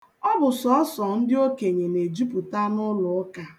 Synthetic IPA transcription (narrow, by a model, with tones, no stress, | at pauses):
ɔ˦bʊ˨sɔ˨˦ɔ˦sɔ˨n̩˦dɪ˦o˦ke˨ɲe˨ne˨d͡ʒu˦pu˨ta˦nʊ˦lʊ˨ɔ˦ka˨